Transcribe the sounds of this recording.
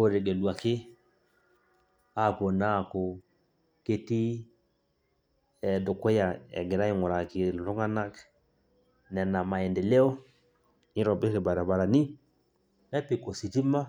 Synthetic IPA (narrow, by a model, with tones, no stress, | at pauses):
o˦ɾe˨ɡe˨lwa˨kɪ˦ | a˦˨ko˨na˦˨ko˨ | ke˦ti˦ | ɛ˨dʊ˨ko˦ja˨ɛ̰˨ɡɪ˨ɾa˦i˦˨ŋʊ˨ɾa˨ki˨lo˦ŋa˦na˦k | nɛ˨na˨ma˨ɛ˨nde˨le˦ɔ˦ | nɪ˦ɾɔ˨be˦ɾe˨ba˨ɾa˨ba˨ɾa˨ni˦ | nɛ˦pi˦˨ko˨si˨ti˦ma˦